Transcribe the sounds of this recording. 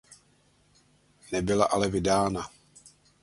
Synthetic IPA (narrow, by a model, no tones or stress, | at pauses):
nɛbɪla̰ʔalɛvɪdaːna